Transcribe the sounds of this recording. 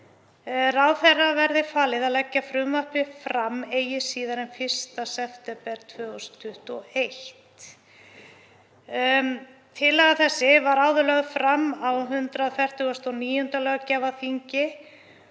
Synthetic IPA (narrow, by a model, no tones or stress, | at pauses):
rawðθɛrːavɛɾðɪfaːlɪðalɛcːafɾʏmvahpɪfɾamːeːjɪsiːðaɾɛnfɪr̥st̪asɛft̪ɛpɛɾ̥t̪ʰvœːɣɔst̪ʰʏht̪ɔejht̪ | t̪ʰɪlːɛɣaθɛsːɪvaɾaːwðʏlœɣfɾamːawɦʏnt̪ɾaðfɛr̥t̪ʏɣɔst̪ɔniːjʏnt̪alœːɣacɛvaθiɲcɪ